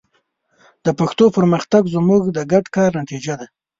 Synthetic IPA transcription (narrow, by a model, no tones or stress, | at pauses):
d̪əpaxt̪opəɾməxt̪aɡzmuɡd̪əɡaɖkɑɾnat̪id͡ʒad̪a